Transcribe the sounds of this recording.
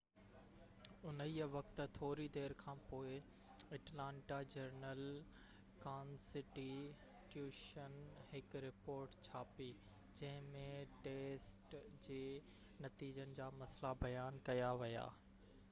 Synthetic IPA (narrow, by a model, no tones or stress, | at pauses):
ʊniʋɐkt̪t̪ʰoːɾid̪eːɾkʰãːpoːɪ | ɐʈlãːɳʈad͡ʑɐɾnəl | kãːnsɪʈi | ʈjuːʃənhɪkɾɪpoːɾʈt͡ɕʰaːpi | d͡ʑɐ̃ɦɪ̃mẽʈeːsʈd͡ʑeː | nɐt̪iːd͡ʑənɪ̆d͡ʑaːmɐslabɐjaːnkɐjaʋija̰ː